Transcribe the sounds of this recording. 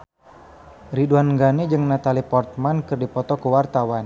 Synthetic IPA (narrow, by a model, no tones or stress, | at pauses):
riduanɡanid͡ʒɨŋnat̪alipɔrt̪̚mankərdipɔt̪ɔkəwart̪awan